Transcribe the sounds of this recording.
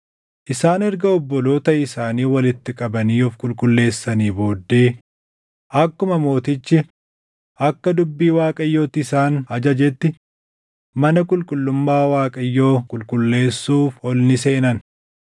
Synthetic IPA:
ʔɪsaːnɛɾɡɐɔbːɔlo̞ːt̪ɐɪsaːniːwɐlɪt̪ːɪkʼɐbɐniːɔfkʼʊlkʼʊlːe̞ːsːɐniːbo̞ːd̪ːeː | ʔɐkːʊmɐmo̞ːt̪ɪt͡ʃːɪ | ʔɐkːɐd̪ʊbːiːwaːkʼɐjːoːt̪ːɪɪsaːnɐd͡ʒɐd͡ʒɛt̪ːɪ | mɐnɐkʼʊlkʼʊlːʊmːaːwaːkʼɐjːo̞ːkʼʊlkʼʊlːe̞ːsːuːfɔlnɪse̞ːnɐn

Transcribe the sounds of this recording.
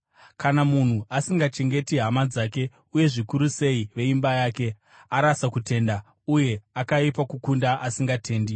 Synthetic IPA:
kanamun̤uasiŋɡat͡ʃe̞ŋɡe̞tiɦamad͡zaːke̞ | uje̞ʐikuɾuse̞iʋe̞imbajaːke̞ | aɾasakute̞ːnda | uje̞akaipakukundaʔasiŋɡatʰe̞ːndi

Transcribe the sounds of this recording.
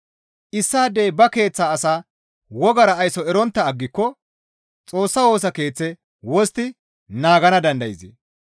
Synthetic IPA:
ʔɪsːaːd̪ːeːbɐke̞ːt͡sːaːsaː | wɔɡɐɾɐːjsɔɛɾɔnt̪ːɐːɡːɪkːɔ | t͡sʼo̞ːsːɐwo̞ːs̬ɐke̞ːt͡sːɛ | wɔst̪ɪ | naːɡɐnɐd̪ɐnd̪ɐjɪzɛ̰

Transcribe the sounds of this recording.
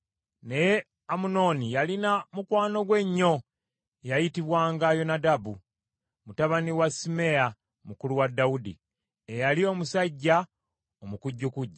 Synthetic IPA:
ne̞je | amuno̞nijalinamukwaːno̞ɡwe̞ɲːo̞ | jajitiβwaːŋɡajo̞nadabu | mutaβaniwasime̞a | mukuluwadːaudḭ | ejalio̞musaɟːa | omukuɟːukuɟːa

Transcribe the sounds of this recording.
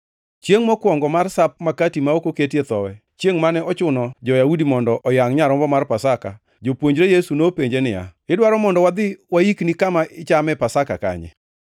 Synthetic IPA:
t͡ʃjeŋmɔkwɔŋɡɔmarsap̚makatimaokoketjet̪ɔwɛ | t͡ʃjeŋmanɛɔt͡ʃʊnɔd͡ʒɔjaudimɔndɔʔɔjaŋɲaɾɔmbɔmarpasaka | d͡ʒopwoɲd͡ʒɾejesunopeɲd͡ʒenɪa̰ɪdwaɾɔmɔndɔwad̪ɪwaiknikamaʔɪt͡ʃamɛpasaka̰ka̰ɲɛ̰

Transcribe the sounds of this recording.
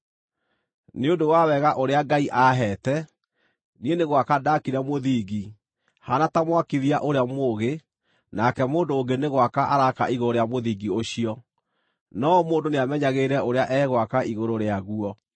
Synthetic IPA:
neondowawɛɣaʔoɾeaɡaiʔaɦɛːtɛ | nieneɣwakadakiɾamoðiːɡi | hanatamwakiðiaʔoɾeamoɣe | nakɛmoːndoːŋɡeneɣwakaʔaɾaka̰ʔiɣooɾeamoðiːɡioɕiɔ | nɔmoːndoneamɛɲaɣeːɾɛʔoɾeaʔɛɣwakaiɣoɾoɾeaɣuɔ

